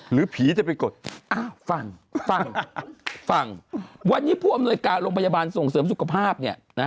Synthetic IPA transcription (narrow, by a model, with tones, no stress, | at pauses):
ɾɯː˨˩˦pʰiː˩˦t͡ɕa˨˩pa˧nko˨˩t̪̚ʔaː˨˩wfa˨˩ŋfa˨˩ŋ | fa˨˩ŋwa˧nːiː˦˥pʰuː˥˩ʔmnuː˧əjkaː˧nɾoː˧ŋpʰa˧jaː˧baː˧nso˨˩ŋsɤː˩˦msu˨˩kʰa˧pʰaː˥˩p̚ni˥˩ɐna˦˥